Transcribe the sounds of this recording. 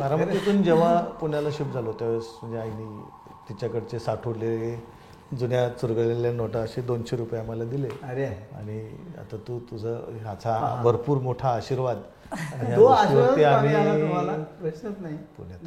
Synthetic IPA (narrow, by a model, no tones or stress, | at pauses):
maɾamət̪it̪uːnd͡ʑeʋ̤apuɳjalaɕip̚d͡zʱalot̪jaʋesm̤əɳd͡zeaini | t̪it͡ɕjakəɽt͡sesaʈʰoɽlele | d͡zunjasuɾɡəɭleljanoʈəəɕed̪onɕeɾupjaməlad̪ileɾea̰ɽ̃ia̰t̪at̪ut̪ud͡zʱəɦat͡sʰabʱəɾpuːɾmoʈʰaːɕiɾʋad̪ | aiaoaeam̤imalaəsnət̪naipṵɳjat̪